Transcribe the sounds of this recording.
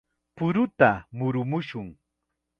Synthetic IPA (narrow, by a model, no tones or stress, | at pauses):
pʊɾʊt̪amʊɾʊmʊʃʊŋ